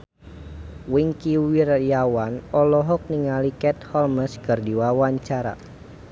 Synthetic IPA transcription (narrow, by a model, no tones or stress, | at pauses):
wiŋkiwirjawanɔlɔɦɔk̚niŋalikɛt̪̚hɔlməskərdiwawaɲt͡ʃaɾa̰